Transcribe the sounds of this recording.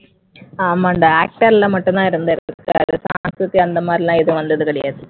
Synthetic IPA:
ɐmaːɪnd̪ɐaːk̚ʈɐɾɪlɐmɐʈːɯnt̪ãːɪɾɯnd̪ɯɪɾkːa̰ːɾɯsa̰ːŋskɾɯt̪ːiɐnd̪ɐmaːd̪ɾilãːɛðɯʋɐnd̪ɐðɯkɐɽɪjaːðɯ

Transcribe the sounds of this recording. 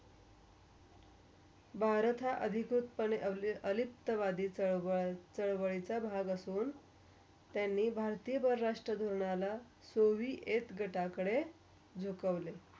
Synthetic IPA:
bʱaɾt̪ʰaʔəd̪ʱikɾut̪̚pəneʔlʔəlip̚t̪əʋad̪iː | t͡səɭʋəɭit͡sabʱaɡəsuːn | t̪janːiːbʱaɾt̪ijəbəɾːaʂʈɾəd̪ʱuɾɳala | soʋiːʔet̪ɡʱəʈakəɽe | d͡zʱukəʋle

